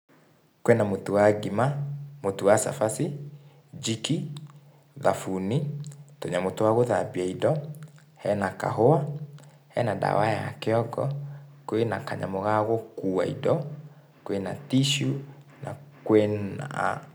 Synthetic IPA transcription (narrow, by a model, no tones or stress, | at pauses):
kwɛnamotowaɡimamotuwasa̰fasi | d͡ʒiki | ðafunitoɲamotowaɣoðabiaidɔ | hɛnaka̰ɦoa | hɛnada̰waja̰keɔɡɔkwenakaɲamoɣaɣɔkua̰ḭdɔ | kwena̰tiʃunakwɛna̰